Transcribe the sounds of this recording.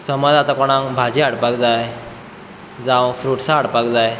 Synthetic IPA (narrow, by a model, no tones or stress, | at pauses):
səmɔd͡zat̪akɔɽ̃ãŋbʱad͡ʑiaɽpakd͡zaj | d͡zãwfɾuːʈsaːɽpakd͡zaj